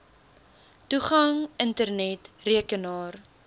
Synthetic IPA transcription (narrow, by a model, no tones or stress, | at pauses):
tuχɐŋəntərnɛtriəkənɑːr